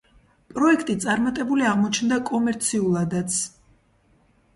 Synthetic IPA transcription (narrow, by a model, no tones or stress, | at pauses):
pʼɾɔɛkʰt̪ʼit̪sʼaɾmat̪ʼɛbuliaʁmɔt͡ʃʰnd̪akʼɔmɛɾt̪sʰiulˠad̪at̪sʰ